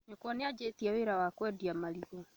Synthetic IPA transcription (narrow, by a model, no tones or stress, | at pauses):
ɲɔkwɔnead͡ʑetiɛweɾawakwɛdiamaɾiɣo